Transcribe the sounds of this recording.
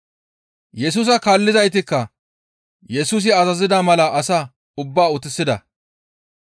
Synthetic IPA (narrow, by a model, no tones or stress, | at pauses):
jɛs̬uːs̬ɐkaːlːɪzɐjt̪ɪkːɐ | jɛsuːs̬ɪɐzɐzɪd̪ɐmɐlɐʔɐsa | ʊbːaːʊt̪ɪsːɪd̪ɐ